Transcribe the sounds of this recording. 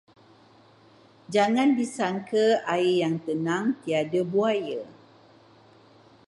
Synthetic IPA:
d͡ʒaŋãndisaŋkʰəaijaŋt̪ənãŋt̪iadəbuajə

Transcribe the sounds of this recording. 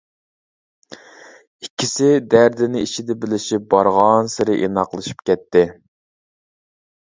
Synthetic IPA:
ikʲʰːisɪd̪æɾd̪ɪnɪit͡ʃʰid̪ɛbɪlɪʃip̚bɑɾʁɑnsɪɾɪʔenɑqlˠɨʃi̥pkʲɛt̪ːɪ

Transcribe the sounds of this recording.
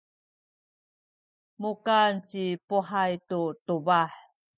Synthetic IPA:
mukant͡ɕipuħajtutubaħ

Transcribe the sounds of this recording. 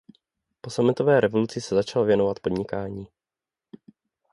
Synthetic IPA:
po̞samɪt̪o̞vɛːɾʔɛvo̞lut͡sɪsɛzat͡ʃalovjɛnovat̪po̞dɲɪkaːɲiː

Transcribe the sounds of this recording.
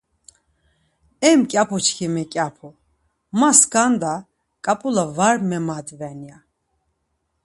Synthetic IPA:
ɛmkʼapʰut͡ʃkʰimɛkʼapʰu | maskand̪a | kʼapʼulavaɾmɛmad̪vɛnja

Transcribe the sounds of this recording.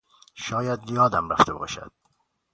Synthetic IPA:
ʃɒːjæd̪jɒːd̪æmræft̪ʰebɒ̰ːʃæ̰d̪̥

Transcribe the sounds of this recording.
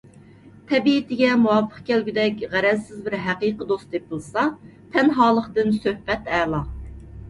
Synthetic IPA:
t̪ʰɛbiɪt̪ʰɪɡʲɛmuwɑfʰːə̥χkʲɛlɡʲyd̪ɛkʲʁæɾɛzsɪzbɪɾɦæqiqəd̪ost̪epɨlˠsɑt̪ʰɛnɦɑːlˠəχt̪ɨnsøhbɛt̪æːlˠɑ

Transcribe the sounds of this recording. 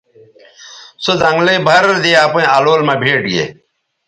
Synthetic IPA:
sod̪ɐŋɡlebʱɐɾd̪eːaːpɐ̃aːloːlmãːbʱeːʈɡḛ

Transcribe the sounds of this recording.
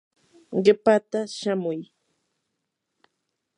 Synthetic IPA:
ɢepat̪aʃamʊj

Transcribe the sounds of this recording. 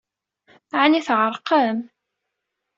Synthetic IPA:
ʕaniθʕəɾˤqəm

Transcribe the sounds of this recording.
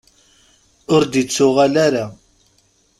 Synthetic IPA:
ʊɾd̪it͡sːʊʁalæɾa

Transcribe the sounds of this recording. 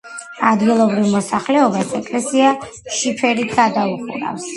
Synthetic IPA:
ad̪ɡilˠɔbɾivmɔsaχlɛɔbasɛkʼlɛsia | ʃipʰɛɾit̪ʰɡad̪auχṵɾa̰fs

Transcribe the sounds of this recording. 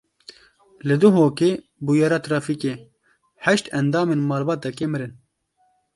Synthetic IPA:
lɨd̪uɦoːkeː | bujɑɾɑːt̪ʰɾɑːfikeː | hɛʃt̪ɛnd̪ɑːmeːnmɑːlbɑːt̪ɛkeːmɨɾɨn

